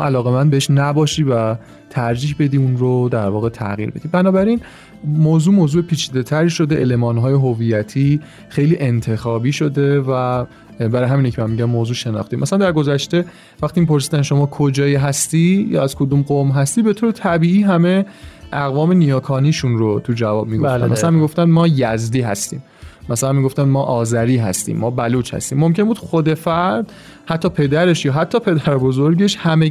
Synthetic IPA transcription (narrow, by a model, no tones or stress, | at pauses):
ʔælɒːɣe̞mænd̪beeʃnæbɒːʃiːvæ | t̪ʰæɾd͡ʒiːhbe̞d̪iːunɾod̪æɾvɒːɣe̞t̪ʰæ̰ɣḭɾbed̪̥ibænɒːbæɾin | moːzuːmoːzuːepʰiːt͡ʃʰiːd̪e̞t̪ʰæɾiːʃo̞d̪e̞ʔele̞mɒːnɦɒːje̞ɦovijæt̪ʰiː | xejliːʔe̞nt̪ʰe̞xɒːbiːʃo̞d̪e̞væ | bæɾɒjɦæminecʰeæmːiɟæmːoːzuːʃe̞nɒ̰xt̪imʔæsælænd̪æɾɡo̞zæʃt̪e̞ | væxt̪iːmipʰo̞ɾsiːd̪ænʃo̞mɒːkʰo̞d͡ʒɒːjiɦæst̪ijɒ̰ːæzkʰod̪uːmɢomɦæst̪iːbe̞t̪ʰoːɾet̪ʰæbiːiːɦæme̞ʔæɣvɒːme̞nijɒːkʰɒːniːʃunɾot̪ʰud͡ʒævɒːb̥̚miɡofæ̰nmæsælænmiɡo̞ft̪ænd̪mɒːjæzd̪iːɦæ̰st̪ḭːm | mæsælænmiɡo̞ft̪ænd̪mɒːʔɒːzæɾiːɦæ̰st̪ḭːmːɒːbæluːt͡ʃhæ̰st̪iːmːo̞mcʲʰe̞nbud̪xod̪e̞fæɾd̪̥ | hæt̪ʰːɒːpʰe̞d̪æɾe̞ʃjɒːɦæt̪ʰːɒːpʰe̞d̪æɾbozoɾɟe̞ʃhæme